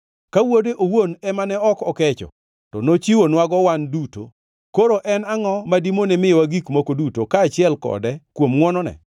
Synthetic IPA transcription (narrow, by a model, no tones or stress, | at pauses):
kawodeʔowonɛmanɛɔkɔkɛt͡ʃɔ̰ | tɔnot͡ʃiwonwaɡɔwanduto̰ | koɾoʔɛnaŋɔmadimonɛmɪjwaɡikmokodutokaːt͡ʃɪɛlkɔ̰dɛkwomŋwɔnɔnɛ̰